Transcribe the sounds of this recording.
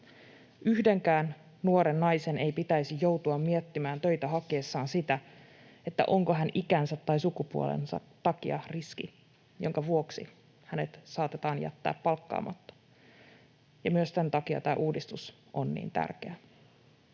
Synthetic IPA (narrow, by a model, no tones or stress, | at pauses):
ʔyhde̞ŋkæːn | nuoɾe̞nːɑjse̞ne̞jpit̪æjsijo̞wt̪uɑmmiet̪ːimæːnt̪ø̞jt̪æɦɑkieːsːɑːnsit̪æ | e̞t̪ːæ̰ʔo̞ŋkoɦænikænsæt̪ːɑjsukupuolḛnsɑ̰t̪ːɑkiɑriskḭ | jo̞̰ŋkɑʋuoksḭ | hæne̞t̪sɑːt̪e̞t̪ɑːnjæ̰t̪ːæ̰ːpːɑlkːɑ̰ːmɑ̰t̪ːɑ̥ | jɑmyøssent̪ɑkiɑ̰t̪æːʔuːdist̪us | ʔonːḭːnt̪æ̰rkeæ